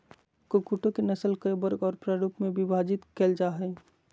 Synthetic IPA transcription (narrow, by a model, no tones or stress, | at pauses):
kokuʈõkenəsəlkəbəɾɡɔːɾpɾəɾupmẽbibʱad͡ʒɪt̪kɛld͡ʒaːɦɛː